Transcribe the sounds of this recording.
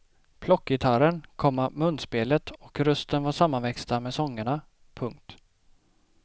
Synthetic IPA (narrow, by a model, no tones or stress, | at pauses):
pʰlɔkːjɪt̪ʰaɾənkʰɔmːamɵnːspeːlət̪ɔkɾɵst̪ənvaʂamːanvɛkst̪amɛsɔŋːəɳa | pʰɵŋk̚t̪